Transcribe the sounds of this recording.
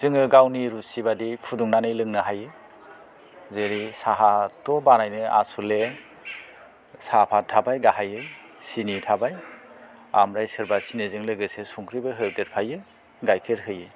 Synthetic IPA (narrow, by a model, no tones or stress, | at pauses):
z̥ɯŋɯɡawniɾusibadipʰuduŋnanɯjlɯŋnɯɦajɯ | zeɾisaɦatɔbanajnɯa̰sule | sapʰatʰabajɡaɦajɯ | sinitʰabaj | a̰mɾajsɯɾbasinezɯŋleɡɯsesuŋkʰɾibɯɦɯteɾ̚pʰajɯ | ɡajkʰeɾɦɯjɯ